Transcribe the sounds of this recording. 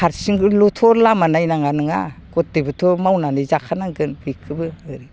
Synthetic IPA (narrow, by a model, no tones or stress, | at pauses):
aɾsiŋɡɯlutʰɔɾlamanajnaŋanɯŋa̰ɡ̥ɔt̚debɯtʰomawnanizakʰanaŋɡɯnbikʰːɯbɯɯɾi